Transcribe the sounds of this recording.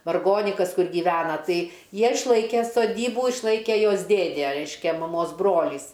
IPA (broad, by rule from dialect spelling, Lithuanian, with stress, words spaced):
ʋɐrˈɡoːnʲɪkɐs ˈkʊr ɡʲiːˈʋʲæːnɐ ˈtɐɪ ˈjiɛ ɪʃˈlˠɐɪkʲɛ soːˈdʲiːbuː ɪʃˈlˠɐɪkʲɛ ˈjoːs ˈdʲeːdʲeː ˈrʲɛɪʃʲkʲɛ mɐˈmoːs ˈbroːlʲiːs